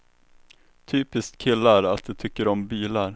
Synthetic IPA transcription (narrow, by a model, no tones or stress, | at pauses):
t̪ʰyːpɪskt̪kʰɪlːaɾat̪̚d̪ɛt̪ʰʏkːəɾɔmbiːlaɾ